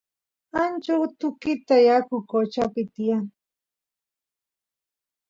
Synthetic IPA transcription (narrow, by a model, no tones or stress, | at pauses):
ant͡ʃawt̪ʊkɪt̪ajakʊkot͡ʃapɪt̪ɪjaŋ